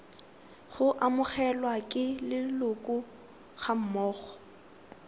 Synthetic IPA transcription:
χʊʔamʊχɛlwakʼɪlɪlʊkʼʊ | χam̩mɔːχɔ̥

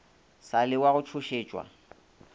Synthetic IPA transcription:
salɪwaɣʊt͡ʃʰʊʃeːt͡ʃʼwa̰

